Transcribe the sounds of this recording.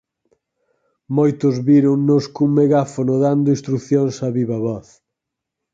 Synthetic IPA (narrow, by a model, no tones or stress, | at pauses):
mojt̪ʊzβiɾʊŋnʊskuŋmeɣafonʊðand̪ʊĩst̪ɾuθjoŋsɐβiβɐβɔθ